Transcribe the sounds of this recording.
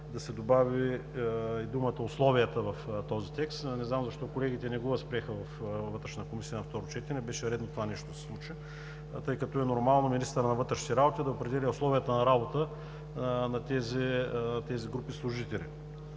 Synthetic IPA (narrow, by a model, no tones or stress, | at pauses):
d̪ɐsɛd̪obavi | id̪umət̪əʊslˠɔvijət̪əvɐft̪ɔzit̪ɛkst̪nɛznamzɐʃt̪ɔkolɛɡ̟it̪ɛnɛɡovɐspɾiɛxəvɐfvɤt̪ɾɛʃnt̪əkomisiənɐft̪ɔɾot͡ʃɛt̪ɛɾɛbɛʃɛɾɛd̪not̪ovanɛʃt̪od̪sɛ̥slˠut͡ʃə | t̪ɤjkɐt̪ɔɛnoɾmalˠnominist̪əɾənɐvɤt̪ɾɛʃnɛɾabot̪id̪ɐopɾɛd̪ɛlʲiʊslˠɔviət̪ənɐɾabot̪ə | nɐt̪ɛzɛt̪ɛziɡɾupislˠʊʒit̪ɛlʲḭ